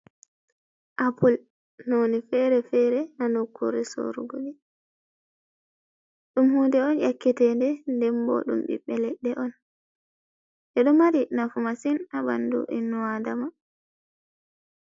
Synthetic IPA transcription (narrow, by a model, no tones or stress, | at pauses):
ʔapul | nonifɛɾɛfɛɾɛnanɔkʰːo̰ɾiso̰ɾuɡoɗi | ɗumhundɛɔnjakːitɛndɛndɛmbɔ̰ɗṵmɓḭɓːɛlɛɗːɛʔɔn | ʔɛɗɔmaɾinafumasinaba̰ndṵʔinːuwadama